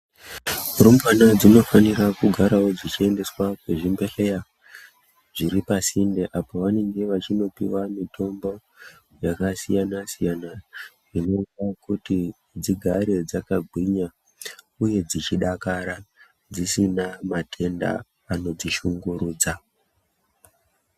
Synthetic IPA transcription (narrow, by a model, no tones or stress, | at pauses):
urumbanad͡zino̞fanirakuɡʱaɾawo̞d͡zit͡ʃie̞nde̞swakwe̞ʐimbe̞ɬe̞ja | ʐiɾipasindeʔapoʋane̞ŋɡe̞ʋat͡ʃino̞piwamitʰo̞mbo̞ | jakasijanasijana | ʐino̞kakuti | d͡ziɡʱaɾe̞d͡zakaɡʱwiɲa | uje̞d͡zit͡ʃiɗakaɾa | d͡zisinamatʰe̞nda̰ː | no̞d͡ziʃuŋɡuɾuːd͡za